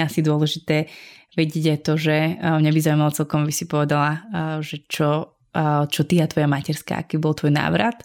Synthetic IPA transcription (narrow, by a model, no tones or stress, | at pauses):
asid̪ʊɔlɛʒit̪ɛːʋɛɟɪɛɟajt̪ɔʒɛmɲabizawumalat͡sɛlkɔmabisipɔʋɛd̪alaʒɛt͡ʃɔ | t͡ʃɔt̪iat̪ʋɔjamacɛɾska̰ːa̰kiːbɔlˠt̪ʋɔjna̰ːʋɾat̪